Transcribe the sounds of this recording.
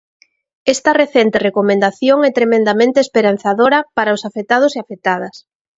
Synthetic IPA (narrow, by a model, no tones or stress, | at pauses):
ɛst̪ɐreθent̪erekomẽnd̪aθjoŋɛt̪ɾemẽnd̪amẽnt̪eːspeɾan̟θaðoɾɐpaɾaʊsafet̪að̞ʊseafet̪að̞ɐs